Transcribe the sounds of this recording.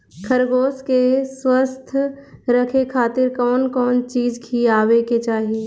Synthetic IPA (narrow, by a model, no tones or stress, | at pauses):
kʰəɾɡoːskeswəst̪ʰɾɐkʰekʰaːt̪ɪɾkɔːnkɔːnt͡ʃiːd͡ʒkʰiaːʋeket͡ʃaːɦie